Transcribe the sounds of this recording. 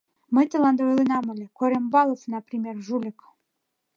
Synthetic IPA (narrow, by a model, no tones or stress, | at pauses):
mə̆jt̪əlˠɑnd̪ɑojlˠinɑmɤ̆lʲekoɾʲembɑlˠofnɑpɾʲimʲerʒulʲɘk